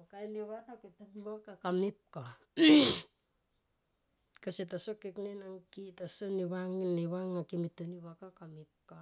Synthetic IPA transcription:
okaeniβanaketoniβakakamip̚ka | kasetasokeknenaŋkitasoniβaŋinliβaŋːakimitoniβakakamip̚ka

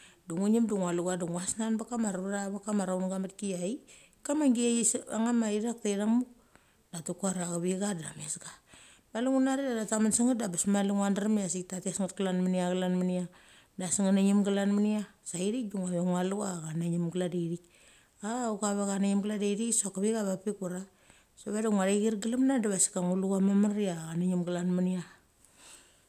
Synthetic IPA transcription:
duŋuɲimduŋaluɡaduŋwasnanbakamaɾaɾaβakamaɾawnɡamatkijai | kamaŋɡiasa̰ŋamaiɾak̚tejdaŋmu | datukuaɾaɡaβiɡadamesɡa | maluŋunaɾidadatamansiŋat̚dabasmaluŋandaɾamias̬ik̚tatiasŋat̚kalanmaniaɡalanmania | dasiŋanaɲimɡalanmaniasaiɾik̚duŋaβeŋwalukakanaɲimɡladeɾik | aukaβekanaɲimɡladeɾiksokaβikaβapikuɾa | soβadaŋʷaɾeɡiɾɡilamnadaβasi̥kaŋulukamamaɾiaanaɲimɡalanmania

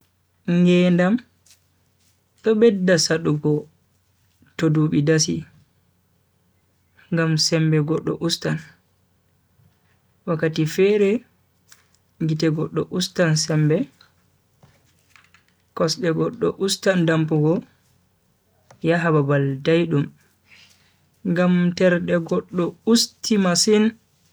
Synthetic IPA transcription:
ŋɡɛndam | ɗɔbɛdːasaɗuɡɔ | toduɓidasi | ŋɡamsɛmbɛɡɔɗːɔ̰ʔustan | wakːatifɛɾɛ | ɡitɛɡɔɗːɔ̰ʔustansɛmbɛ | kɔsɗɛɡɔɗːɔ̰ʔustandampuɡɔ | jaɦababaldajɗum | ŋɡamtɛɾɗɛɡɔɗːɔustimasin

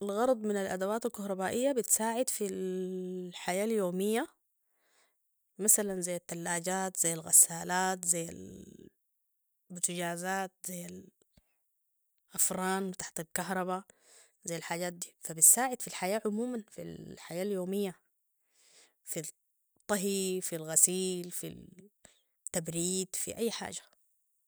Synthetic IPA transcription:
ʔalɣɑɾˤɑd̪ˤmɪnalʔad̪awaːt̪alkɑhɾˤɑbaːʔijːabit̪saːʕɪd̪fil | ħajaːljoːmijːa | masalanzajːat̪ːalːaːɟaːt̪zajːalɣa̰sːaːlaːt̪zajːa̰l | bt̪iɟaːzaːt̪̚zajːal | ʔafɾˤɑːnwɪt̪ḁħt̪alkaɦɾˤɑβa | zajːalħaːɟaːt̪̚d̪iːfabisːaːʕɪd̪filħajaːʕʊmuːmanfḭlħajaːljoːmijːa | fi | t̪ˤːɑɦifilɣasiːlfḭl | t̪ːabɾiːd̪fḭʔajːħa̰ːd͡ʒḁ

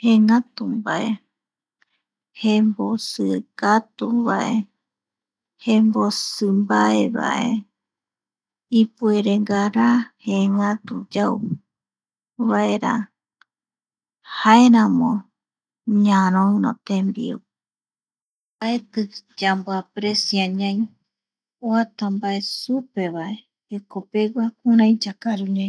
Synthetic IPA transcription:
heŋãt̪umbae | hembosɨkat̪uβaʔḛ | hembosɨmbaeβa̰ʔe̞̰ | ipueɾeŋɡaɾaheŋãt̪ud͡ʒau | βaeɾa | hae̞ɾãmõ | ɲãɾ̃õɨ̃nõ̰t̪ẽmbḭu | baet̪ɨd͡ʒamboapɾesjaɲãj̃ | oat̪ambaesupe̞βae | ekope̞ɡʷakuɾãjd͡ʒakaɾuɲã

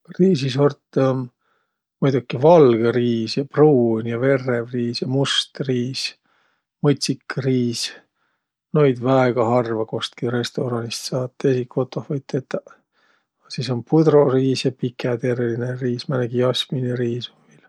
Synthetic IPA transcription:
riːsisort̪ː | mujd̪̥ukːivɑlɡ̥eɾiːsjɑpruːnʲjɑve̞rːevriːsjɑmust̪riːs | mot̪ʲsikːriːs | nojd̪væeɡ̥ɑhɑrvɑko̞st̪̚kiɾe̞st̪o̞ɾɑnist̪sɑːt̪ːˑesikːo̞t̪ːˑohvɤjt̪ːet̪ːɑ | siso̞npud̪̥ro̞riːsjɑpikʰːet̪eɾelineriːsmɑnæɡiɑsmineɾiːsumil

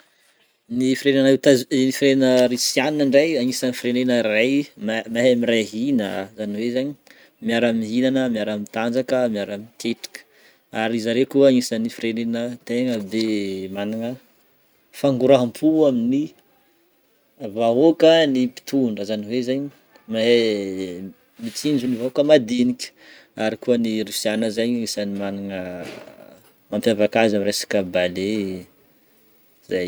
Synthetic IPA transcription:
nifiɾeneanet̪anifiɾenəɾisianinəɳɖ͡ʐajaŋisənifiɾenenərajmmaɦamiɾaɦinə̰zaniwezaɲi | miaɾamiɦinanəmiaɾamit̪and͡zakəmiaɾamit̪ʰeʈ͡ʂḁkə̥ | aɾizaɾekuəaŋisənifiɾenenət̪eŋəbemanaŋə | faŋɡuɾaɦampʰuamini | vaokənipi̥t̪uɳɖ͡ʐəzaniwezaɲi | ma | mit͡sind͡ʒunivaokəmad̪inikʲə̥ | aɾikuəniɾisianəzaɲisanimaniŋə | mampjavakazamiɾresḁkəbale | zaj

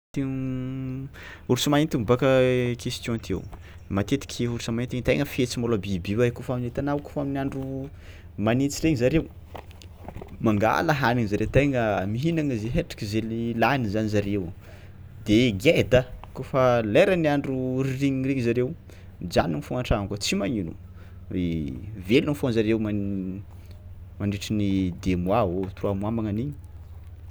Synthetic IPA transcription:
t̪e | uɾsumaint̪imbakəkʰest̪jõt̪ʰḛw | mat̪et̪i̥kʲʰeuɾsamaint̪iɲit̪ajŋəfet͡simolabibiwakofaminet̪anawko̥faminiaɳɖ͡ʐu | manit͡siɾeŋizaɾew | maŋɡa̰laɦaniŋzaɾewt̪ajŋəmiɦinaŋəzeɦeʈ͡ʂḁkʲizelilanizanizaɾew | d̪eɡed̪əkofaleɾəniaɳɖ͡ʐuriɾiɲiɾeɲizaɾew | d͡ʒaninifuŋaʈ͡ʂakət͡simaɲinṵ | evelunifonzaɾewma | maɳɖ͡ʐiʈ͡ʂinid̪emuaɦot̪uruamwamaŋaniɲi̥

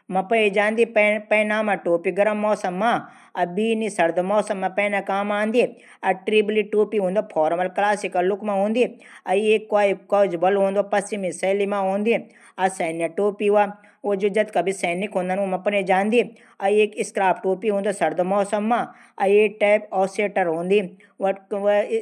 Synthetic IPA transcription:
mɐpɐned͡ʒãːnd̪ieppenaːmãʈoːpiɡɐɾɐmːɔːsɐmːã | ɐbiːnisɐɾd̪ɐmɔːsɐmːãpeːnakaːmaːnd̪ie | ɐʈɾibliʈoːpiɦũːnd̪opʰɔːɾmɐlklaːsikɐlːʊkmãɦõːnd̪ie | ɐieːkːaːikoːd͡ʒbɐlɦõːnd̪opɐst͡ʃimisɐːlimãɦõːnd̪ie | ɐsɐːnjaʈoːpiʋa | od͡ʒod͡ʒɐd̪kabʱisɐːnikɦõnd̪aːnomãpɐned͡ʒãːnd̪ie | ɐieːkɪskɾaːpʈoːpiɦũːnd̪osɐɾd̪ɐmɔːsɐmːã | ɐeːk̚ʈapɔːseːʈɐɾɦõːnd̪i | ʋɐ

